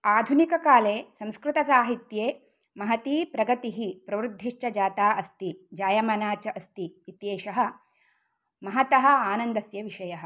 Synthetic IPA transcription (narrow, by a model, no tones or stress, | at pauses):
aːd̪ʱunikɐkaːleːsɐ̃nskɾɪt̪ɐsaːɦit̪jeː | mɐɦɐt̪iːpɾɐɡɐt̪iɦipɾɐʋɾud̪ʱːiʂt͡ʃɐd͡ʒaːt̪aːʔɐst̪id͡ʒaːjɐmɐnaːt͡ʃɐʔɐst̪iːt̪jeːʃɐɦɐ̆ | mɐɦɐt̪ɐɦɐ̆aːnɐnd̪ɐsjɐʋiʂɐjɐɦɐ̆